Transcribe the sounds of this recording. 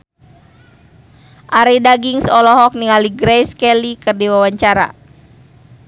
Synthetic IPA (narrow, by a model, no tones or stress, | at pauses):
ʔaɾidaɡiŋsɔlɔɦɔk̚niŋaliɡɾɛjskɛlikɨrdiwawaɲt͡ʃaɾa̰